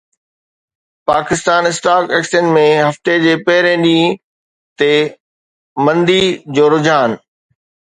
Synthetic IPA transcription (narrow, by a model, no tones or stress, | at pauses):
paːkɪst̪aːnɪsʈaːkeːksənmẽɦɐft̪ed͡ʑeːpɛɦɪɾẽɗĩː | t̪e | mɐ̃nd̪id͡ʑoːɾʊd͡ʑʱaːn